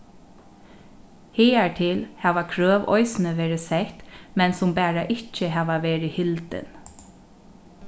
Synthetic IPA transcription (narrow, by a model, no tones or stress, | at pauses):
hɪːaɹt̪ʰɪlhɛːʋakʰɾœːʋɔ̰jsnəʋɛːɾɪsɛht̪mɛnsʊmpæːɹaʔɪhcəɦæːʋaʋeːɹɪhɪlt̪ɪ̰n